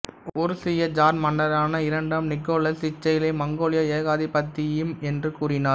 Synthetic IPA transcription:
ɔɾɯsɪjɐd͡ʒaːɾmɐɳːɐɾaːnɐɪɾɐɳɖaːmnɪkːoːlɐsɪt͡ʃːɐjɪlɐɪmɐŋɡoːlɪjɐeːɣaːðipːɐt̪ːɪjɯmɛndrɯkuːrɪnaː

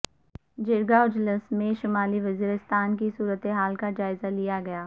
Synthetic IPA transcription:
d͡ʒɪɾɡaʊd͡ʒlɪsmẽʃɪmaːliʋɐziːɾɪst̪aːnkisuːɾət̪eɦaːlkad͡ʒaːɪzalijaɡɐjaː

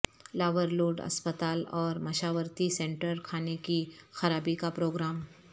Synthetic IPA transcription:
laːʋəɾloːɖɐ̰spət̪aːlɔːɾmɐʃaːʋəɾt̪isɛ̃ːɳʈəɾkʰaːnekixɐɾaːbikapɾoːɡɾaːm

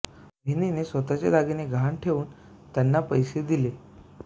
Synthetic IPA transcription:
bʱeninesʋət̪at͡ɕḛlaɡineɡʱaaɳʈʰeʋuːn | t̪janːapəjsed̪ile

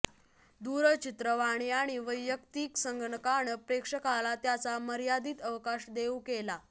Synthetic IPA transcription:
d̪uɾət͡ɕit̪ɾəʋaɽ̃eaɽ̃iʋəjːjəkt̪iːksəŋɡɳəkaɳəpɾekʂəkalat̪jat͡saməɾjad̪iːt̪əʋkaɕd̪eukela

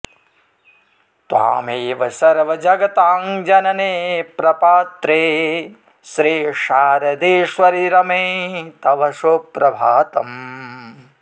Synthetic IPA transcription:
t̪ʋa̰ːmeːʋɐsɐɾʋɐd͡ʒɐɡɐt̪aːŋd͡ʒɐnɐneːpɾɐpaːt̪ɾeː | ʃɾiːʃaːɾɐd̪eːʃʋɐɾiɾɐmeːt̪ɐʋɐʃoːpɾɐbʱaːt̪ɐm

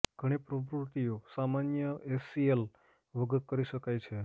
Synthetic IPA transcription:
ɡ̥ʱəɽ̃epɾobɾuɾt̪ijosamanjəesiel | ʋəɡət̪̚kəɾiʃəkajt͡ʃʰe

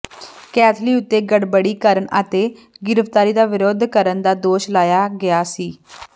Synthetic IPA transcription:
kɛːt̪ʰliːʊt̪ːeːɡəɽbəɽiːkəɾəɳə̰t̪eːɡɪɾəft̪aːɾiːd̪aːʋɪɾoːd̪ʱkəɾənd̪aːd̪oːʃlaːjaːɡɪjaːsiː

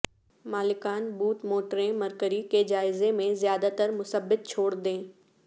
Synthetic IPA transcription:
maːlɪkaːnbuːt̪moːʈɾẽmɐɾkəɾiked͡ʒaːɪzemẽzjaːd̪at̪əɾmʊsəbːɪt̪̚t͡ʃʰoːɽd̪ẽː

